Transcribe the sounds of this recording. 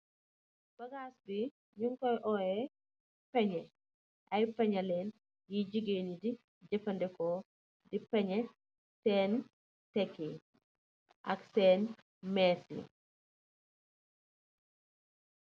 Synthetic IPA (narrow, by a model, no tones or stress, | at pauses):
b̥ɐɡaːsbi | ɲuŋkɔjʔɔɛ | pɛɲɛ | ʔɐjpɛɲɐlɛːn | jid͡ʒiɡenidi | d͡ʒɐfɐndɛkɔ | dipɛɲɛ | sɛn | tɛkːi | ʔɐksɛːn | mɛsḭ